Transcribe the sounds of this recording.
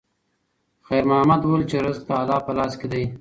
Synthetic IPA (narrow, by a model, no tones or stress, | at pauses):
xajɾmahamad̪wolt͡ʃeɾɪzk̚t̪aːlɑːpəlɑːsked̪aj